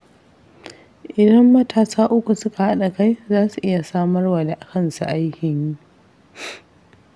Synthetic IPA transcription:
ʔɪ˨dɐ˦mːɐ˦tʰaː˨saː˦ʔʊ˦kʷu˨sʊ˦ka˨ha˦ɗa˨ka˦jzaː˦su˨ʔɪ˦ja˨saː˦mɐ˦rwa˨da˨ʔa˨kɐ˦nsṵ˨ʔa˦jkʲɪ˨ɲi˦

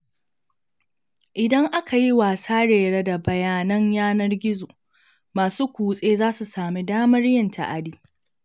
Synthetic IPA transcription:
ʔɪ˨dɐ˦ŋʔa˦kʰa˨ji˦waː˨saː˦ɽeː˨ɽa˦da˨bɐ˨jaː˨nɐ˦ɲjaː˦nɐ˦rɡʲɪ˦zoː˨ | maː˨su˦kʷuː˨sʼeː˦zaː˦su˨saː˨mi˦daː˦mɐ˦rjɪ˦ntʰa̰˨ʔa˨diː˦

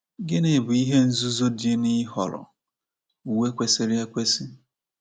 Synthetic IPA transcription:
ɡɪ˦ne˨bʊ˨i˦ɦe˦n̩˦zu˦zo˦dje˦ni˦ɦɔ̰˨ɾʊ̰˨ | u˨we˦kʷe˨sɪ˨ɾɪ˦a˦kʷe˦si˦

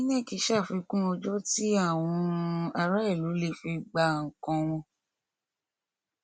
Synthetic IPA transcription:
ĩ˦nɛ̃˦˨ki˧˦ʃa˦˨fi˧kũ˦ɔ˧d͡ʒɔ˦ti˦a˦˨w̃ɔ̃˧a˧ɾa˦i˦˨lu˨˦le˦˨fi˧ɡ͡ba˧˨ŋ̩˨kɔ̃˧w̃ɔ̃˧

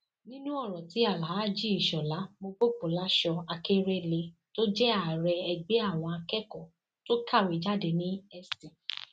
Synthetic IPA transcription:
nĩ˦nũ˦ɔ˦˨ɾɔ̃˨ti˨˦a˦˨la˨ɦa˨˦˨d͡ʒi˦i˦˨ʃɔ˨la˨˦mo˧ɡ͡bo˦k͡po˨la˨˦ʃɔ˧a˧ke˦ɾe˦le˧to˦d͡ʒɛ˦a˦˨ɾɛ˧ɛ˧ɡ͡be˨˦a˦˨w̃ɔ̃˧a˧kɛ˦kɔ˨ | to˦kʰa˦˨wi˨˦d͡ʒa˦de˧nĩ˦ɛ˦stĩ˨

